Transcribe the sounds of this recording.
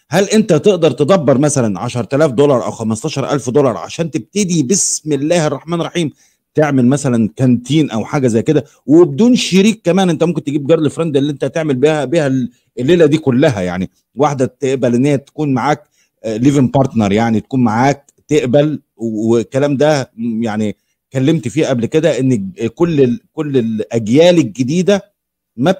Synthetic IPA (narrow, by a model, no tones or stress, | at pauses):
hælʔent̪æt̪eʔd̪ɑɾˤt̪ed̪ˤɑbːɑɾˤmæsælænʕaʃɑɾˤt̪ælæːfd̪olɑɾˤʔæ̰wxæmɑsˤt̪ɑːʃɑɾˤʔæ̰lfd̪olɑɾˤʕa̰ʃæːnt̪eb̚t̪ed̪ibesmelːæːherˤːɑħmæːnʔeɾˤːɑħiːm | t̪eʕmelmæsælænkænt̪iːnʔæwħaːɡæzæjːked̪æ | webed̪uːnʃeɾiːkːæmæːnʔent̪æmomkent̪eɡiːb̚ɡɑɾd̪lefɾˤɑnd̪iælːiːʔent̪æt̪eʕmelbihæbiːhæl | elːeːlæd̪iːkolːæɦæja̰ʕni | waħd̪æt̪eʔbælʔenːehjæt̪æ̥kuːnmaʕaːk | liːvenpɑɾˤt̪nɑɾˤjaʕnit̪æ̥kuːnmaʕaːk̚ | t̪eʔbæl | wekːælæːmd̪æjaʕni | kælːemt̪fiːʔæblked̪æʔenːkolːekolːelʔæɡjæːleɡed̪iːd̪æ | mæ